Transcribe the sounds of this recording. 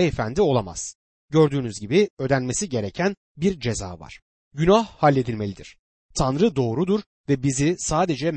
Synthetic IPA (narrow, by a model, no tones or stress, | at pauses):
ɛefænd̪io̞lˠama̰z̥ | ɟø̞ɾd̪yːnyzɟibiø̞d̪ænme̞siɟe̞ɾecʰæn | biɾd͡ʒe̞za̰ːva̰ɾ̥ | ɟynahhalʲːe̞d̪ilʲme̞lʲid̪iɾ̥ | t̪ʰanɾɯd̪o̞ːɾud̪uɾ | vɛbizisaːd̪e̞d͡ʒɛm